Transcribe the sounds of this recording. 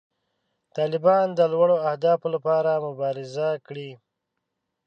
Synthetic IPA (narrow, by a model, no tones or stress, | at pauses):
t̪ɑlɪbɑnd̪əlwaɽoahd̪ɑflapɑɾamʊbɑɾɪzakɽi